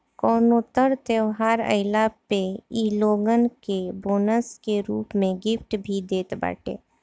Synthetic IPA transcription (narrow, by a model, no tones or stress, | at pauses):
kɔːnoːt̪əɾt̪eʋɦaːɾə̰ɪlapeiːloːɡənkeboːnəskeɾuːpmẽɡɪfʰʈbʱid̪eːt̪ba̰ːʈḛː